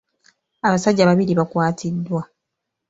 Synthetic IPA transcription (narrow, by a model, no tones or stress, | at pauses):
aβasaɟːaβaβiliβakwaːtʰidːwa